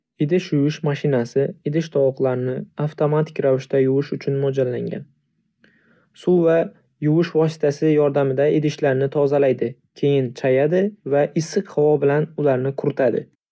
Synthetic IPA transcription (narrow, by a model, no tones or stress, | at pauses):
ɪd̪ɪʃjʊjʊʃmaʃɪnasɪɪd̪ɪʃt̪ʰɒwqlˠaɾɪnɪaft̪ʰomat̪ʰɪ̥kʲɾavɪʃt̪ʰajʊwʊʃʊt͡ʃʰʊnmɒd͡ʒalːaŋɡʲa̰n | sʊva | jʊwʊʃvɒs̬ɪ̥t̪ʰasɪjɒɾd̪amɪd̪aɪd̪ɪʃlaɾnɪt̪ʰɒzalajd̪ɪkʲʰe̞jɪnt͡ʃʰajad̪ɪvaʔɪsːɨqhavɒbɪlanʊlaɾnɪkʰʊɾɪt̪ʰad̪ɪ̰